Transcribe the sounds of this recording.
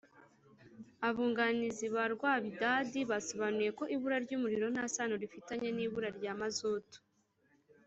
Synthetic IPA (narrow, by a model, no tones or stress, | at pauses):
aβuːŋɡaniziβaɾɡwaːβidadiβaso̞βanuje̞ko̞ʔiβuɾaɾɟuːmuɾiɾo̞naːsanoɾifitaɲe̞niːβuɾaɾɟaːmazoːto̥